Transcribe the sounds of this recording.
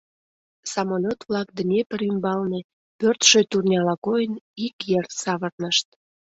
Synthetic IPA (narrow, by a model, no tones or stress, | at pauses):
sɑmolʲot̪βlɑk̚d̪ənʲepəɾymbɑlne | pørt̪ʃøjt̪urnʲɑlɑkojənikjert̪sɑβərnəʃt̪̚